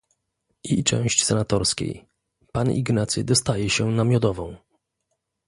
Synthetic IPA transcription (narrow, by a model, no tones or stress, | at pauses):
ʔit͡ʂɛ̰̃w̃ɕt͡ɕsɛnat̪ɔɾskʲḛj | panḭɡnat̪sʲɨ̰d̪ɔst̪ajɛɕɛnamʲjɔd̪ɔvɔ̃w̃